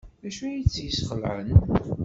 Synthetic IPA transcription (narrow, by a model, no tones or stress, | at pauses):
ðæʃæjit͡sːjəsχəlʕə̰n